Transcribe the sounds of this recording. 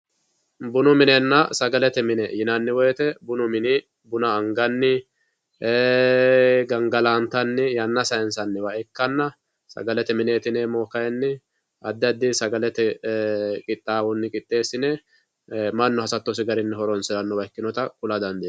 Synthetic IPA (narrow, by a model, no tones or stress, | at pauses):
bʊnʊmɪnɛnːɐsɐɡɐlɛt̪ɛmɪnɛjɪnɐnːɪwɔjɛt̪ɛbʊnʊmɪnɪ | bʊnɐːŋɡɐnːɪ | ɡɐŋɡɐlaːnt̪ɐnːɪjɐnːɐsɐjɛnsɐnːɪwɐɛkːɐnːɐ | sɐ̰ɡɐlɛt̪ɛmɪneːt̪ɪnɛmoːkɐjɛnːɪ | ɐd̪ːɐd̪ːɪsɐɡɐlɛt̪ɛ | kʼɪt̪ʼːaːwɔnːɪkʼɪt̪ʼːe̞ːsɪnɛ | mɐnːɔhɐsɐt̪ːɔs̬ɪɡɐɾɪnːɪɦɔɾɔnsɪlɐnːɔwɐjkːɪnɔt̪ɐkʊlɐd̪ɐnd̪e